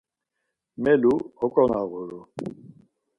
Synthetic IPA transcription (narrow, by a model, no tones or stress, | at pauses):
mɛluɔkʼɔnaɣʊɾʊ